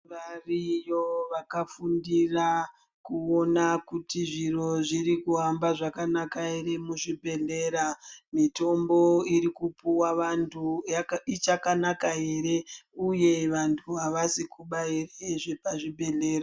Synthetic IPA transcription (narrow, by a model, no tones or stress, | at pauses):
ʋarijoʋakafundira | kuonakutiʐiro̞ʐiɾikuambaʐakanakae̞ɾe̞muʐibʱe̞ɮe̞ɾamito̞mbo̞iɾikupuwaʋantʰuit͡ʃakanakae̞ɾe̞uje̞ʋantʰuɦaʋasikuɓaereʐepaʐibʱe̞ɮeːɾa